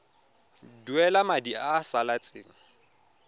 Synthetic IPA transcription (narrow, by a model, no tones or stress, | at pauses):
duɛlamadiasalat͡sʼɪ̰ːŋ̩